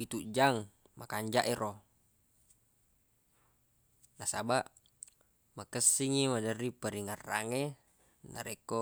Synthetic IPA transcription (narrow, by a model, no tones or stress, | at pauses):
it̪uʔd͡ʒaŋ | makaɲd͡ʒaʔeɾʔo | nasabaʔ | makəsːiŋimadəripəɾiŋarːa̰ŋe | na̰ɾeko